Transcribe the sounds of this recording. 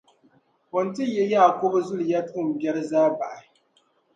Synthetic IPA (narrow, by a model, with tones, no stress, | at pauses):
kɔ˨ntɪ˦˨jɛ˦jaː˦˨ko˦bzʊ˦lja˦tu˦˨m˨bʲɛ˦ɾzaː˦ba˨ʔa˨˦